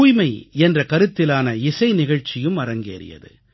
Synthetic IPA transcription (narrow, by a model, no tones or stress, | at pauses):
uːjmɐɪɛndrɐkɐɾɯt̪ːɪlaːnɐɪsɐɪnɪɣɐɻt͡ʃːɪjɯmɐɾɐŋɡḛːɾɪ̰jɐ̰ðɯ̰